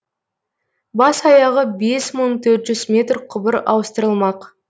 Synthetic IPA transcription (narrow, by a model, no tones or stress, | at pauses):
bɑsɑjɑʁəbe̞sməɴt̪ʰɵɾt̪ʒ̥ʏzmʲe̞t̪rqʰʊbəɾɑ̰wəst̪əɾəlˠmɑq